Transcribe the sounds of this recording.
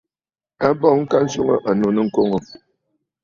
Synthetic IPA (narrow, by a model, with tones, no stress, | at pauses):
a˦bɔ˦˨ŋŋ̩˦ka˦n̩˦su˦ŋə˦ʔa˨no˨nɨ˦ŋ̩˦ko˦ŋo˨